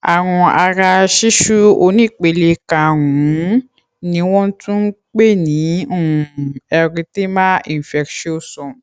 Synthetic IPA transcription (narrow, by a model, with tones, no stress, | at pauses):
a˨w̃ɔ̃˧a˧ɾa˧ʃi˦ʃu˦o˧nĩ˦˨k͡pe˧˨le˧ka˨wũ˨˦ | nĩ˨˧˦w̃ɔ̃˦n̩˦tũ˦k͡pe˦˨nĩ˨˦õ˦˨˧ɛ˧ɾĩ˧te˦mã˦ĩ˨fɛ˧kʃo˦sɔ̃˨